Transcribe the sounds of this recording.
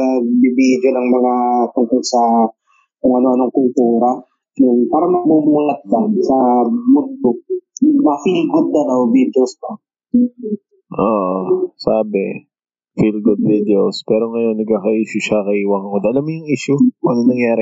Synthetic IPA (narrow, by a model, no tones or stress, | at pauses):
ɐɡbibid͡ʒonɐŋmɐŋat̪ʊŋkolsɐ | kʊŋɐnoʔɐnoŋkʊlt̪uːɾɐ | jʊŋpaːɾɐmɐbʊmuːlɐt̪̚lɐsɐmʊnd̪omɐfilɡʊd̪̚ːɐlɐwbid̪ospɐ | ʔoːʔosaːbɛ | filɡʊd̪̚vid̪ɛospɛːɾo̞ŋɐjo̞nːɐɡ̚kaːkɐʔiːʃʊʃakɐhiːwɐŋŋod̪ʔɐlamːjʊŋʔiːʃjʊɐnonɐŋjaːɾɪ